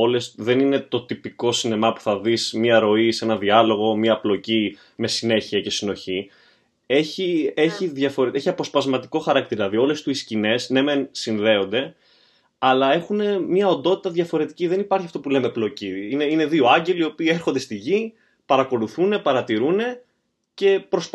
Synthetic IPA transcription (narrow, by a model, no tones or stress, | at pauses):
o̞le̞st̪ðe̞nine̞t̪o̞t̪ipiko̞sine̞mɐpu̥θɐðismiɐɾo̞ise̞nɐðiɐlo̞ɣo̞miɐplo̞ci | me̞sine̞çiɐce̞sino̞çi | e̞çie̞çiðʝɐfo̞ɾeeçiɐpo̞spɐzmɐt̪iko̞xɐɾɐk̚t̪iɾɐlɐðio̞le̞st̪uiscine̞sne̞mensinðe̞o̞nd̪e̞ | ɐlɐe̞xune̞mɲɐo̞nd̪o̞t̪it̪ɐðʝɐfo̞ɾe̞t̪iciðe̞nipɐɾçiɐft̪opule̞me̞plo̞ciineine̞ðio̞ɐɲɟe̞lio̞piːeɾxond̪e̞st̪iʝi | pɐɾɐko̞luθune̞pɐɾɐt̪iɾune̞ | ce̞pɾo̞s